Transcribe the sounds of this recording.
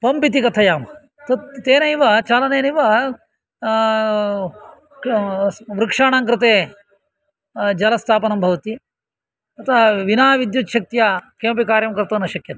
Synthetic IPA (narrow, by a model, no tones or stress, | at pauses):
pɐmpit̪̬ikɐt̪ʰɐjaːm | t̪ɐt̪t̪eːnɐjʋɐt͡ʃaːlɐneːniʋɐ | ʋɾɨkʂaːɳaːŋkɾɨt̪eː | d͡ʒɐlɐst̪ʰaːpɐnɐmbʱɐʋɐt̪i | ɐt̪ʰɐʋinaːʋid̪jut̪ʃɐk̚t̪jaːkeːmpikaːɾjɐmkɐɾt̪ɐnɐʃɐkjɐt̪ɐ̥